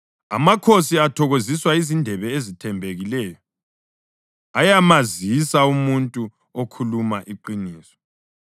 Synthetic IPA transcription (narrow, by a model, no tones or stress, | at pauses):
a̰makʰosiatʰɔɣoziswaizindʱɛβɛezitʰɛmbʱeɣilɛːjɔ | ajamazisaumuntʼu | okʰulumaʔiǃiniːsɔ̥